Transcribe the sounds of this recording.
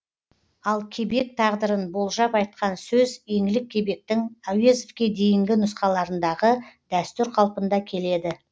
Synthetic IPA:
ɑlˠkʲʰe̞be̞k̚t̪ʰɑʁd̪əɾənbo̞lˠʒɑpɑjt̪̚qʰɑnsɵzje̞ŋɡɪlɪkʲʰːe̞be̞k̚t̪ɪŋawezofkʲe̞d̪e̞jɪŋɡʲɪnʊsqɑlˠɑɾənd̪ɑʁəd̪̥æst̪ʏɾqʰɑlˠpənd̪ɑkʲʰe̞le̞d̪ɪ

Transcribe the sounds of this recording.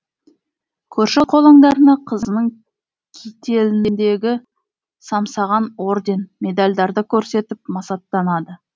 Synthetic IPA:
kʲʰɵɾʃɪqʰo̞lˠɑɴd̪ɑɾənɑqʰəzəənəɴ | kʲʰijt̪e̞lɪnnd̪e̞ɡʲɪ | sɑmsɑʁɑno̞ɾd̪e̞nmʲe̞d̪alʲd̪ɑɾd̪əkʲʰɵɾse̞t̪ɪpmɑsɑt̪ːɑnɑd̪ə

